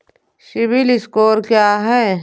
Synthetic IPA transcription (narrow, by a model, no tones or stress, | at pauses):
ʃɪʋilɪskoːɾkjaːɦɛː